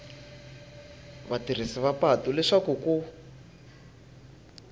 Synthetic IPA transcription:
βatir̤isiβapatulɛʂakuku

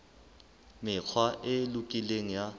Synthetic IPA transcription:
mɪk͡xʰwaʔelukʼileŋ̩ja

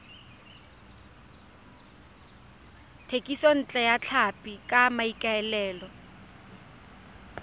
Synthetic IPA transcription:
tʰekʼisɔn̩t͡ɬʼɛjat͡ɬʰapʼikʼamaikʼaɛlɛːlɔ

